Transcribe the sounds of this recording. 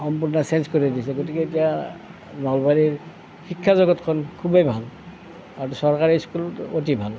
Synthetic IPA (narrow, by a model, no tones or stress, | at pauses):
xɔmpuɹnɔsɛnskoɹidisɛɡotikɛetija | nɔlbaɹiɹ | xikʰːazɔɡɔtkʰɔnkʰubebʱal | atusɔɹkaɹiskulotibʱal